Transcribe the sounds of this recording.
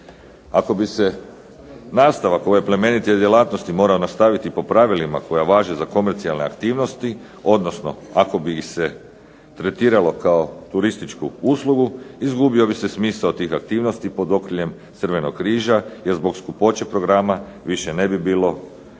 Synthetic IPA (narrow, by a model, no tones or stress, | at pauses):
ako̞bise̞ | naːst̪aʋako̞jajeple̞me̞nit̪jed̪jelˠaːt̪nost̪imo̞ːɾaonast̪aʋit̪ipo̞pɾaʋilima̰ko̞jaʋaːʒe̞zako̞me̞ɾt̪sialne̞a̰kt̪iːʋno̞st̪i | o̞d̪nosno̞̰ako̞bise | t̪ɾe̞t̪iːɾalo̞kaot̪uɾist̪it͡ʃkuuslˠuɡuizɡubio̞bise̞smiːsaot̪iːxak̚t̪iːʋno̞st̪ipo̞d̪o̞kɾiʎe̞mt̪sr̩ʋe̞nokkɾiːʒaje̞ɾzbo̞kskupo̞t͡ɕe̞pɾo̞ɡɾama | ʋiʃe̞ne̞bibiːlo̞